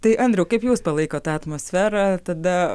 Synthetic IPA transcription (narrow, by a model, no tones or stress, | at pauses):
t̪ɐɪʔɐnʲd̪ɾʲɛʊkɐɪpjuːspɐlˠɐɪkoːt̪ɑːɐt̪moːsʲfʲæːɾɑt̪ɐd̪ɐ